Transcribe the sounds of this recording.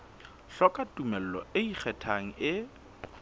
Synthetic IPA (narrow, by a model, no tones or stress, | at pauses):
ɬɔkʼatʼumɛl̩lɔɪik͡xʰɛtʰaŋ̩ɪ